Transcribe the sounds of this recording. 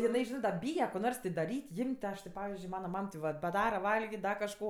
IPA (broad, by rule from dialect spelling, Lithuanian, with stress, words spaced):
jɪˈnɐɪ ˈʒʲɪnɜ dɐ ˈbʲiːjɛ koː ˈnoːrs tʲɪ dɐˈrʲiːtʲ ˈjɪmʲtʲ tʲɪ ˈɐʃ tʲɪ ˈpɑːʋʲɪzʲd͡ʒʲʊɪ ˈmɑːnɐ ˈmɐm tʲɪ ˈʋɐt bɐˈdɑːrɐ ˈʋɐlʲɡʲɪtʲ ˈdɐ kɐʃˈkoː